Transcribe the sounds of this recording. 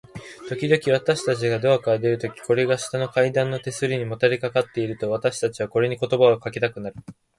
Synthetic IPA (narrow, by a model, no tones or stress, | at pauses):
t̪o̞kʲid̪o̞kʲiβ̞at̪aɕi̥t̪at͡ɕiɡad̪o̞akad̪e̞ɾɯ̟t̪o̞kʲi̥ko̞ɾe̞ɡaɕi̥t̪ano̞kaid̪ãnːo̞t̪e̞sɨɾʲiɲ̟imo̞t̪aɾikakat̪ːe̞iɾɯ̟t̪o̞β̞at̪aɕi̥t̪at͡ɕiβako̞ɾe̞ɲ̟iko̞t̪o̞baokaket̪akɯ̟naɾɯ̟